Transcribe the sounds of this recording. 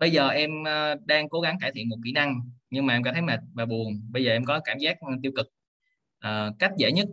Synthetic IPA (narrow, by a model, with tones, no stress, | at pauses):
ɓə˧jzəː˨˩ʔɛ˧məː˧ɗaː˧ŋko˨˦ɣa˨˦ŋk̬aː˧˩t̪ʰḭ˧˨ənmo˨˩t̚kḭ˧˩˨na˧ŋɲɨ˧ŋmaː˨˩ʔɛ˧mkɔ˧˥t̪ʰə˨˦jma˨˩t̚vaː˨˩ɓu˨˩əŋɓə˧jzəː˨˩ʔɛ˧mkɔ˨˦kaː˧˩mzaː˦˥k̚t̪i˧wkɨ˨˩k̚ | ʔəː˨˩ka˦˥jk̟̚zḛ˧˩ɲə˦˥t̚